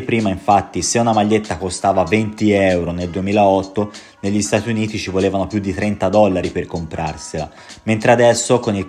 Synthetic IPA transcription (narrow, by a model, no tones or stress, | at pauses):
pɾiːmaiɱfat̪ːiseunamaʎːet̪ːakost̪aːvavent̪iɛwɾoneld̪uemiːlaɔt̪ːo | neʎːist̪aːt̪iuniːt̪it͡ʃivoleːvanopjud̪ːit̪ɾɛnt̪ad̪ɔlːaɾiperkompɾarsela̰ | ment̪ɾead̪ɛsːokoni